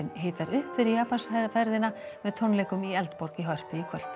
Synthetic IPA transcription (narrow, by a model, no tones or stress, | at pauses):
ɪnɦɪːt̪aɾʏhpfɪɾijaːpansfɛɾðɪnamɛðt̪ʰɔnlɛjkʏmiɛlt̪poɾ̥kiɦœr̥pɪikʰvœl̥t̪